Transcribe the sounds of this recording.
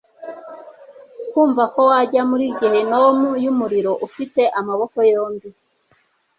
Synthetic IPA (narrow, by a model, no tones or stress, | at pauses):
kuːɱvako̞waɟamuɾiɡihe̞nowomujumuɾiɾo̞ʔufite̞ʔamaβo̞ko̞joːmbi